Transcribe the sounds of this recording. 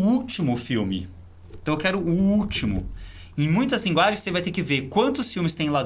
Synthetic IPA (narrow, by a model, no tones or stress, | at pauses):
ut͡ʃimʊfiwmɪ̰̃ | t̪ɐ̃w̃ewkɛɾʊːut͡ʃimʊ̰ | ẽj̃mũj̃t̪ɐzlĩŋɡwaʒẽjsevajt̪eɾkɪveɾkwɐ̃nt̪ʊsfiwmɪst̪ẽj̃la